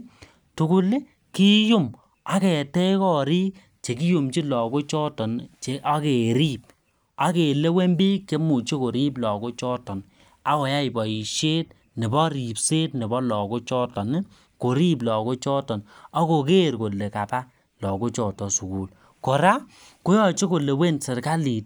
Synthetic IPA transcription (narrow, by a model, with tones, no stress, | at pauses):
tu˨ku˨lɪ˦ | ki˦ju˦˨m | a˦kɛ˨tɛ˦kɔ˦ɾi˦k | t͡ʃe˨ki˦ju˨mt͡ʃi˦lɔ˨ko˦t͡ʃɔ˦tɔ˨nt͡ʃe˨ʔa˦ke˨ɾi˦p̚ | a˦ke˨le˦we˦mbi˦k̚t͡ʃe˦mu˨t͡ʃe˦ko˨ɾi˦blɔ˨ko˦t͡ʃɔ˦tɔ˨n | a˦kɔ˨ja˦i˨bɔ˨i˨ʃe˦t̚ | nɪ˨bɔ˦ɾi˨pse˦tnɪ˨bɔ˦lɔ˨ko˦t͡ʃɔ˦tɔ˨n˦ | ko˨ɾi˦b̬lɔ˨ko˦t͡ʃɔ˦tɔ˨na˦ko˨ke˦˨ɾko˨le˨ka˨pa˦ | lɔ˨ko˦t͡ʃɔ˨tɔ˨su˨ku˨l | kɔ˨ɾa˦ | ko˦jɔ˦t͡ʃi˦ko˨le˨we˦nse˨ɾka˦li˨t̚